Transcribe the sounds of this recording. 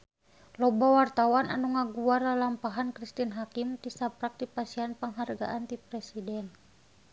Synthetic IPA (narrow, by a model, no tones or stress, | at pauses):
lɔbawart̪awana̰nuŋaɡuarlalampaɦankɾist̪inɦakimt̪isapɾak̚dipasianpəŋɦarɡa̰ʔant̪ipɾɛsidɛn